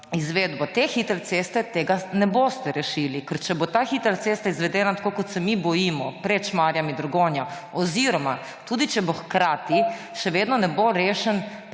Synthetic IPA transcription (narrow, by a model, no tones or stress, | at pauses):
izʋeːd̪bot̪exit̪lt̪seːst̪ɛt̪eːɡanɛboːst̪ɛɾɛʃiːlikəɾt͡ʃɛbot̪aːxit̪ɾlt̪eːst̪aizʋɛd̪ɛːnat̪ḁkoːkot̪sɛmibɔjimɔpɾɛt͡ʃmaːɾjamid̪ɾoɡoːnja | ɔziɾɔma | t̪uːd̪it͡ʃɛboxkɾaːt̪i | ʃɛʋeːd̪nɔnɛboɾeːʃɛn